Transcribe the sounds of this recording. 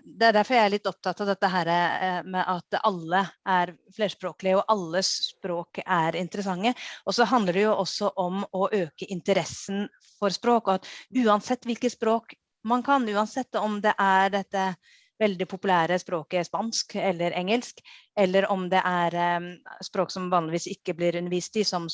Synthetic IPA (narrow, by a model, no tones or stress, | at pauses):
d̪ɛæɖ̪æɾfɔɾjæɪæɭɪt̪ːɔp̚t̪ʰɑt̪ːɑʋd̪ɛt̪ːəɦæːɾəmɛʔɑt̪ɑlːəʔæɾ | fleːʂpɾoːklɪəɔʔɑlːəspɾoːkæɾɪnt̪əɾəsɑŋːəɔsɔɦɑnd̪ləɖɛjʊʔɔsːɔʔɔmɔʔøːkəʔɪnt̪əɾɛsːən | fɔɾspɾoːkɔt̪ʉːɑnsɛt̪ːʋɪlkəspɾoːk | mɑnkʰɑnʉːɑnsɛt̪ːɔmd̪ɛʔæɾɖ̪ɛt̪ːə | ʋɛld̪ɪpʰʊpʉlæːɾəspɾoːkəspɑnskɛlːəɾʔɛŋːəlskɛlːəɾɔmd̪ɛʔæɾspɾoːksɔmʋɑːnlɪʋiːsɪkːəblɪɾʉnəɾʋiːst̪ɪsɔm